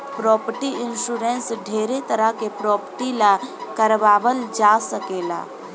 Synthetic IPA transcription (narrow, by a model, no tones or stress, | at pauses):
pɾɔːpəʈiɪnʃuːɾẽnsɖʱeːɾet̪əɾəɦkepɾɔːpəʈilakəɾʋaːbəld͡ʒaːsəkeːla̰ː